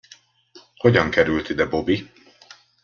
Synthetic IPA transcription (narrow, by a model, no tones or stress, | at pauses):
hoɟɒŋkɛɾylt̪id̪ɛbo̞bi